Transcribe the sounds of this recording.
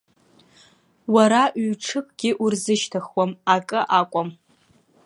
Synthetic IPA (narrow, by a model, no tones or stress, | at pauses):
waɾaʔɥɥʈ͡ʂʰɨpʰʼɡ̥ʲɪʔurzɨʃtʰaχwamakʼɨʔakʷʼam